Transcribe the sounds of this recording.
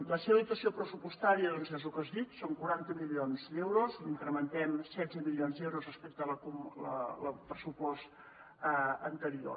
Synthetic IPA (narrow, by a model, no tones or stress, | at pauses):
ləseβəðit̪əsiopɾəsupust̪aɾiəðonsɛzukəzðit̪soŋkuɾant̪əmilionzd̪ewɾoziŋkɾəmənt̪ɛmsɛd͡zəmilionzðewɾozrəspek̚t̪ələkumlə̰ləpɾəsupɔst̪ | ənt̪əɾio̰